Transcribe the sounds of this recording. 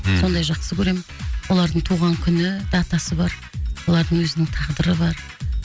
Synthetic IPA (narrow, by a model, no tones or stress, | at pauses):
so̞nd̪ɑjʒɑqsəkʲʰɵɾe̞mɪnwʔo̞lˠɑɾd̪əɴt̪ʰuʁɑŋkʲʰʏnɪd̪ɑt̪ɑsəbɑɾ | wo̞lˠɑɾd̪əɴwɵzɪnɪŋt̪ʰɑʁd̪əɾəbɑɾ